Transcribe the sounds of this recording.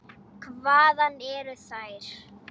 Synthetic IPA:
kʰvaːðanːɛɾʏθaːjɾ̥

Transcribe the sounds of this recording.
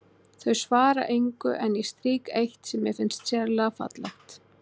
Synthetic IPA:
θœɥsvaːɾa̰ʔejŋkʏʔɛnjɛst̪ɾiːkejht̪sɛmːɛfɪnst̪sjɛɾlafa̰t̪la̰ht̪

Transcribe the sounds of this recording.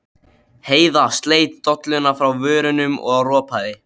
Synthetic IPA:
heːjðast̪leːjt̪̚ːɔt̪lʏnafɾawvʏːɾʏnʏmʔɔ̰ɣawrɔːpʰaðɪ

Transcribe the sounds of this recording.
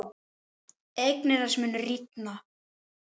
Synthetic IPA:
ejknɪðasmʏːnʏrit̪na

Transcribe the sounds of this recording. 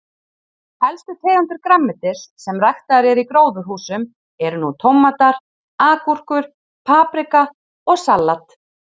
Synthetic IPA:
hɛlst̪ʏt̪ʰeːɣant̪ʏɾkɾamːɪt̪ɪɾ̥sɛmrajxt̪aɾɛɾikɾoːwðʏɾɦuːsʏm | ɛɾnut̪ʰɔwmːat̪aɾ̥ | aːkur̥kʏɾ̥ | pʰaːpɾɪka | ɔɣsalːat̪

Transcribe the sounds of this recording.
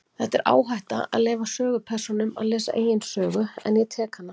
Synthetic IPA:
θɛht̪ːɛɾʔa̰ːwɦajht̪a̰a̰ðlɛːvasœːɣʏpʰɛr̥sɔnʏma̰ðleːsa̰ʔeːjɪnsœːɣʏɛ̰njɛt̪ʰɛːkanːa

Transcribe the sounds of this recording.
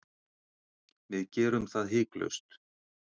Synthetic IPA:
vɪðcɛːɾʏmθaðɦɪːklœ̰ɥst̪

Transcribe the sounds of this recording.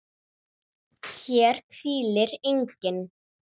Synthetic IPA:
çɛːɾ̥fiːlɪɾejɲcɪn

